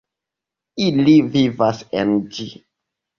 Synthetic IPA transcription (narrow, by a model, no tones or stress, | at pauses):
ilivivasḛnd͡ʒi